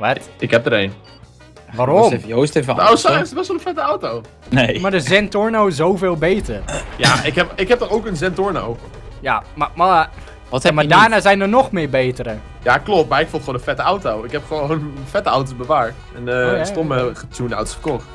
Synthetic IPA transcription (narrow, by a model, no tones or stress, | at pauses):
ʋarɪkɦɛp̚dəɾeːn | ʋaɾomfjowstefoːsasɪtɔsʋolənfɛtəawtow | nemadəzɛntʊnowɪsowfeːlˠbeːtərjaɪkɛpɪkhɛp̚dɔxowkənzɛntʊɹnowə | jamama | ʋɔthɛmadaːnaːzɛjndənɔxmɪːɹbeːtəɾə | jaklɔpt̚marɪkfolˠχõːnəfɛtəawtowɪkhɛpχəʋownfɛtəawt̬obəʋaːɹt | ɛnəstoməətʰjuna̰wto̥sfə̥kɔxt